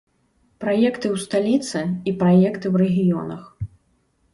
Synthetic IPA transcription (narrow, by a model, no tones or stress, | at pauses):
pɾajɛkt̪ɨwst̪alʲit̪sɨipɾajɛkt̪ɨwɾɛɣʲijɔ̰nɐ̰x